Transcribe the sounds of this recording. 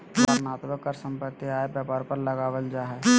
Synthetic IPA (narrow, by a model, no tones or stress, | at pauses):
aɾnaːt̪bəkːəɾsə̃mpət̪ːiaːebjəːpaːɾpəɾləɡaːʋəld͡ʒaːɦɛ